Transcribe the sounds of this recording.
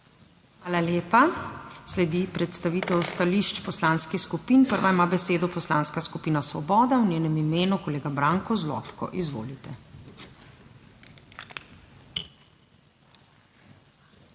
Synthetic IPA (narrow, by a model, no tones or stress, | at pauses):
xʋaːlaljeːpaslɛd̪ipɾɛt̪st̪aʋiːt̪ɛwst̪aliʃt͡ʃpɔslaːnskixskupinpəɾʋaimaːbɛseːd̪ɔpɔslaːnskaskupiːnasʋɔ̰bɔːd̪awnʲjeːnɛmimeːnukɔleːɡabɾaːŋkɔzlɔ̰ːpkɔ̰ʔizʋo̰ːlit̪ɛ